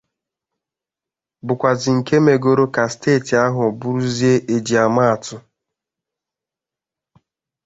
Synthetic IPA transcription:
bʊ˨kʷa˨zɪ˨ŋ̩˨ke˦me˨ɡo˦ɾo˦ka˨steː˦˨ti˨a˦ɦʊ˨ɔ˨bʊ˦ɾu˦zi˦e˦ʔe˨d͡ʒi˨a˨ma˦a˨tʊ˦

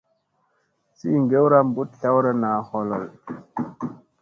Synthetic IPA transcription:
si˦ŋɡe˦wɾa˦mbu˦tɬa˦wɾa˦naː˨hɔ˨lɔ˨l

